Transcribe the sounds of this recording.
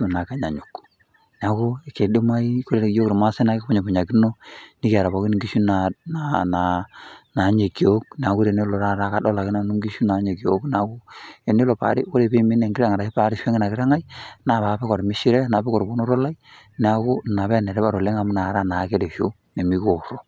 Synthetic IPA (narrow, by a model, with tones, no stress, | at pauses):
u˨na˨ka˦˨ɲa˨ɲu˨k | nɛ˨a˨ko˦e˨ke˨do˦ma˦i˦ko˦ɾe˦˨jo˦kɾe˨ma˦se˦na˨˦ke˦o˦ɲe˨bu˨ɲa˨ki˦no˦ni˦ka˨ɾa˨βa˨˦ki˦n˨ŋɡi˦ʃu˦na˨na˨na˨na˨˦ɲe˨kjo˦k̚nɛ˨a˨ku˦ɾe˨ne˦lo˨ɾa˦ɾa˦ka˦dɔ˦la˨ki˦na˨nu˦ŋɡi˦ʃu˦na˨˦ɲe˨ki˨o˦kna˨ko˦e˨ne˦lo˨pa̰˨ɾi˦ko˦ɾe˨be˦mi˦ne˨ŋɡɪɾa˦ŋa˨ɾa˨i˦pa˦ɾɪ˦ʃe˦ŋi˦na˨kɪ˦ɾa˦ŋa˦jna˨βa˨˦pe˦kɔ˨ɾmɪ˦ʃi˦ɾɛ˦na˨be˦kɔ˨ɾbo˦no˦ɾo˦la˦i˦nɛ˨a˦ko˦na˨βɛ˦˨ne˨ɾɛ˦ba˨ɾo˨le˦ŋa˨m˦na˨˦ɾa˦na˨˦ke˦ɾe˨ʃo˦ | ne˨mi˦ko˨ɾo˦